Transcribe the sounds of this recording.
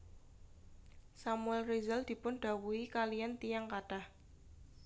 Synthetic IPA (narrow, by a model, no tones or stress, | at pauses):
samuɛlrizald̪̥i̤pʊnɖ̥a̤wuikalijant̪ijaŋkaɖ̥a̤h